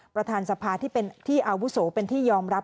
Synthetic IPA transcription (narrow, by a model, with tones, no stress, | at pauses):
pɾa˧t̪ʰaː˧nsa˧pʰaː˧t̪ʰiː˥˩e˧nt̪ʰiː˥˩ʔa˧wu˦˥soː˩˦pe˧nt̪ʰiː˥˩jɔː˧mɾa˦˥p̚